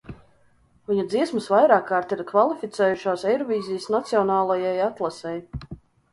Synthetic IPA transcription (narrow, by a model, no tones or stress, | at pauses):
viɲud̪ziɛsmɨsvajɾaːkːaːɾt̪iɾkvalˠifʲit̪sɛːjuʃaːsɛjɾɔviːzijəsnat̪siɔnaːlˠajajat̪lˠasɛj